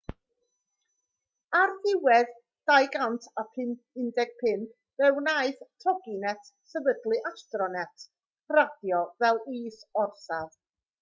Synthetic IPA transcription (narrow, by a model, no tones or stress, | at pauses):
arθɪwɛð | d̥ajɡantʰapʰɪn | ɪndɛɡ̥̚pʰɪn | vɛwnaɨθtʰɔɡinɛtʰ | səvədlˠɨʔastrɔnɛtʰ | radjɔvɛlˠiːsɔrsað